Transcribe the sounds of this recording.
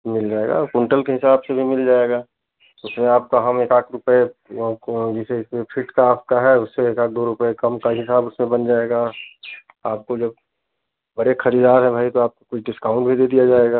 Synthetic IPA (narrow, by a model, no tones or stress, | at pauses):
mɪld͡ʒaːeɡa̰kʊ̃ɳʈəlkeɦɪsaːbsebʱimɪld͡ʒaːeɡaː | ʊsmẽaːp̚kaɦɐmeːkaːkʰɾʊpe | d͡ʒɛseɪsmẽpʰɪʈkaːpkaɦɛʊsːeːkaːk̚d̪oːɾʊpəekɐmkaɦɪsaːbʊsmẽbɐnd͡ʒaːeːɡaː | aːp̚kod͡ʒɐb̚ | bɐɽexɐɾiːd̪aːɾɦɛ̃bʱaːit̪oaːp̚kokʊt͡ʃʰɖɪskaːʊ̃ɳʈbʱid̪ed̪ijad͡ʒaːeɡaː